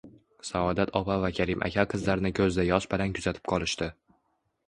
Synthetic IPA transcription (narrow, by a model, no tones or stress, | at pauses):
saɒd̪at̪ʰɒpavakʲʰaɾɪmʔa̰kʲʰaqʰɨzlaɾnɪkʲʰɵzd̪ajɒʃbɪlankʰʊzat̪ʰɪ̥pqʰɒlˠɪʃt̪ɪ